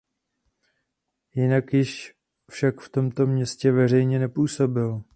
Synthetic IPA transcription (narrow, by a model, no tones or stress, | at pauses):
jɪnakjɪʃ | fʃakft̪o̞mt̪o̞mɲɛscɛvɛr̝ɛjɲɛnɛpuːso̞bɪl